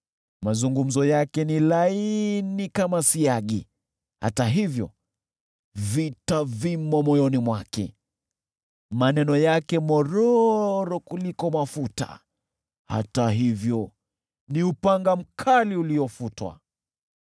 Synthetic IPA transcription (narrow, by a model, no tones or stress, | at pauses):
mazuŋɡum̩zɔjakɛnilainikamasiaɠi | ha̰taɦivjɔ̰ | vitavimɔmɔjɔnimwakɛ̰ | manɛnɔjakɛmɔɾɔɾɔkulikɔmafuta̰ | ha̰taɦivjɔ | niupaŋɡam̩kʰaliuliɔfutwa̰